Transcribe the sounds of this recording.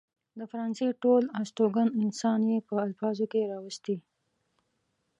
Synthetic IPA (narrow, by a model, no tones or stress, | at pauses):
d̪əfaɾɑnseʈolasʈoɡanɪnsɑnjepəalfɑzokeɾɑwəst̪i